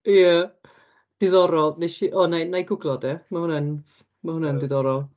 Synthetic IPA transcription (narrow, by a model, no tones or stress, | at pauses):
jə | d̥ɪðɔɾɔlˠneʃiʔɔnajnajɡʊɡlˠɔdɛmahʊnɛn | mahʊnɛndɪðɔɾɔlˠ